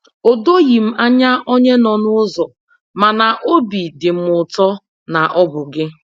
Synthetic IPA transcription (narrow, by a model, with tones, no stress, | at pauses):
o˨do˦ji˨m̩˦a˦ɲa˦ʔo˦ɲe˦nɔ˨nʊ˦ʊ˦zɔ˨ | ma˨na˨ʔo˦bi˨dɪ˨m̩˦ʊ˨tɔ˦ | na˨ʔɔ˦bʊ˨ɡɪ˦